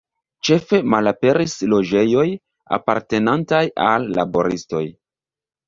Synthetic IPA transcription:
t͡ʃe̞fe̞malape̞ɾislo̞d͡ʒe̞jo̞j | a̰pa̰ɾte̞nantajalːa̰bo̞ɾisto̞̰j

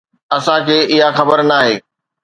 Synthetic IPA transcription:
ɐsãkʰeːɪɦaxɐbəɾnaːɦeː

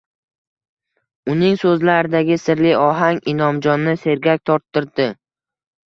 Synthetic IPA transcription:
ʊnɪŋsɵzlaɾɪd̪aɡʲɪsɪɾlɪɒɦaŋɪnɒmd͡ʒɒnːɪse̞ɾɡʲak̚ʲt̪ʰɒɾt̪ʰːɪɾd̪ɪ

